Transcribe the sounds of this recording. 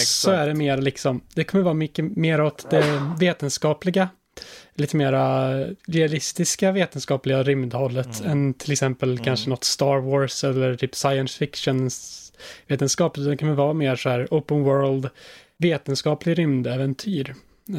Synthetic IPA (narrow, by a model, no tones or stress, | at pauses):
sɔæɖɛmeːɾalɪksɔmd̪ɛkʰɔmːəɾvɑːɾmʏkːəmeːɾɔt̪d̪ɛveːt̪ənskɑːplɪɡa | liːt̪əmeːɾad̪ɛalɪst̪ɪskaveːt̪ənskɑːplɪɡaɾʏmd̪hɔlːət̪ʰɛnt̪ʰɪlɛksɛmpəlkʰanʂənɔt̪ːst̪ɑːɾwoːɾsɛlːəɾt̪ʰyːpsajənsfɪkʂənsveːt̪ənskɑːp̪d̪ɛkʰɔmːəvɑːmeːɾsɔæːɾəʊpənwœːɾld̪ | veːt̪ənskɑːplɪɡɾʏmd̪ɛːvɛnt̪ʰyːɾ